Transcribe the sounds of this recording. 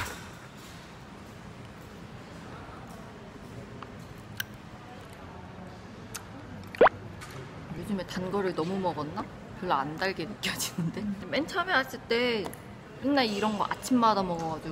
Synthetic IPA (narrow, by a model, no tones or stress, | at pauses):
jod͡ʑume̞tanɡʌɾɯɭnʌmumʌɡʌnːa | kjɯɭːʌandaɭɡe̞nɯk͈jʌd͡ʑinɯnde̞ement͡ɕʰamjʌnas͈ɯɭt͈e̞ | kɯknaiɾʌnɡʌʔa̰t͡ɕʰimːadamʌɡʌɡad͡ʑi